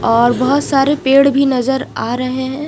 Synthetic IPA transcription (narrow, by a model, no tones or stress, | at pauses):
ɔːɾbɐɦʊt̪saːɾepeːɽbʱinɐzəɾaːɾɐɦeɦɛ̃ː